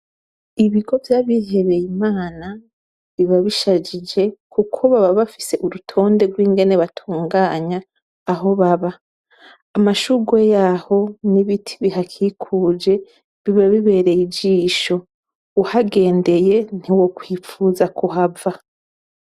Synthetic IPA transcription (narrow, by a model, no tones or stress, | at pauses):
iβiɡo̞vjaβiɦe̞βe̞jimaːna | βiβaβiʃad͡ʒid͡ʒe̞kʰukʰoβaβaβafi̥se̞ʔuɾutʰo̞ːnde̞ɡwiːŋɡe̞ne̞βatʰuːŋɡaːɲaː | ɦo̞βaβaː | maʃuɡwe̞jaːho̞niβitʰi̥βiɦakʰiːkʰuːd͡ʒe̞ | βiβaβiβe̞ːɾe̞jid͡ʒiːʃo̞ | uhaɡe̞ːnde̞je̞n̥iwo̞kwiːfuːzakuɦava